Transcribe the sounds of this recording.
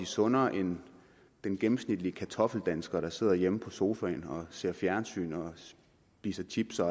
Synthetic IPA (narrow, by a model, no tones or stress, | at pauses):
d̥isɔ̽nɐʔe̝n | d̥enɡ̥emm̩snid̥liəkʰæt͡sʰɒ̽fl̩d̥ænsɡ̥ɐɾɑ̈se̝ð̞̰ˠɐjeməpʰɒ̽so̝ːfɛɪnɒ̽se̝ɐ̰fjæɐnsy̰ːnɒ̽ | b̥iːsɐt͡sʰib̥sɐ